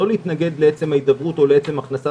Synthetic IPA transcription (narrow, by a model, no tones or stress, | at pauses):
o̞leit̪naɡe̞d̪leet͡se̞mhaid̪avʁut̪o̞leet͡se̞maχnasa